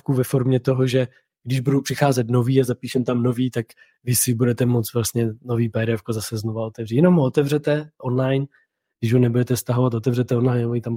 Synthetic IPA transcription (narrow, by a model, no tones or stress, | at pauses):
kuvɛfo̞ɾmɲɛt̪o̞ɦoʒɛ | ɡdɪʒbudowpr̝̥ɪxaːzɛt̪no̞viːazapiːʃɛmt̪amno̞viːt̪ak | vɪsɪbudɛt̪ɛmo̞t͡s̪vlast̪ɲɛno̞viːpɛɾɛfkozasɛznovao̞t̪ɛvrijɛno̞mɦoot̪ɛvrɛt̪ɛʔonlajn | ɡdɪʒɦonɛbudɛt̪ɛst̪aɦovat̪ot̪ɛvrɛt̪ɛonlajnmoit̪am